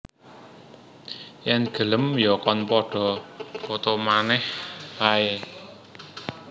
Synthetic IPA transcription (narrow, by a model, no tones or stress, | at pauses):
jɛnɡ̥ə̤ləmjɔkɔnpɔɖ̥ɔ̤kot̪omanɛhpae